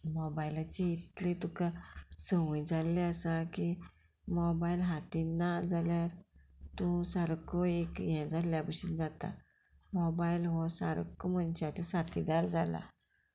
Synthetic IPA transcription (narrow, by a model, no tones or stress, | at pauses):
mɔbailat͡ɕiit̪let̪ukasəʋũjd͡zalːeəsaki | mɔbailɦat̪inːad͡zaljaɾt̪ũsaɾkɔekjɛ̃d͡zaljabəɕind͡zat̪a̰mɔbailɦɔsa̰ɾ̰kːɔmənt͡ɕat͡səsat̪id̪aɾd͡zala̰